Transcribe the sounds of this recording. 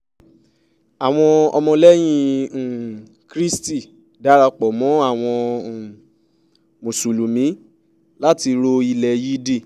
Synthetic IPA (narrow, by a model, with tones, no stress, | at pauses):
a˨w̃ɔ̃˧ɔ̰˧mɔ̃˧lɛ˦j̃ĩ˧˨ | kɾi˦sti˦˨ | da˨˦ɾa˧k͡pɔ˨mɔ̃˨˦a˦˨w̃ɔ̃˧˨ | mo˨su˨lu˨mĩ˨˦ | la˦ti˧ɾo˧i˧lɛ˨ji˦de˦˨